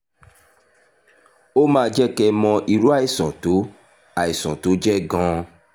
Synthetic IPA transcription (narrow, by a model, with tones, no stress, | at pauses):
o˦mãː˦˧˦d͡ʒɛ˦kɛ˧mɔ̃˧ʔi˨ɾu˦a˦i˨sɔ̰̃˨to˨˦ | a˨i˨sɔ̰̃˨to˨˦d͡ʒɛ˦ɡɔ̃˧